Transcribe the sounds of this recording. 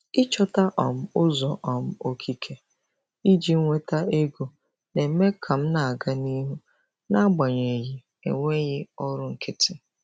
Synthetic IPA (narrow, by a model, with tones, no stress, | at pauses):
ɪ˦t͡ʃɔ˦ta˦ʔɔ˨m̩˦ʊ˦zɔ˨ʔɔ˨m̩˦o˦kʰi˦kʰe˦ | i˦d͡ʒi˦ŋ̩˦ŋʷe˦ta˦e˦ɡo˨ | ne˨m̩˦me˦kʰa˨m̩˦na˨a˨ɡa˦ni˦ɦu˦ | na˦ɡ͡ba˨ɲe˨ji˨ | ḛ˨ŋʷe˦ɣɪ˦ɔ˦ɾʊ˦ŋ̩˨kɪ˦tɪ˦